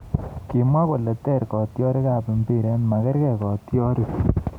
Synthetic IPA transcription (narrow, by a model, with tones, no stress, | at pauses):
ki˨mwa˦kɔ˨lɛ˨tɛ˦˨ɾkɔ˨tjɔ˦ɾe˦ka˦˨pe˨mbi˦˨ɾe˦nma˨kɛ˦ɾkɛ˨kɔ˨tjɔ˦ɾi˦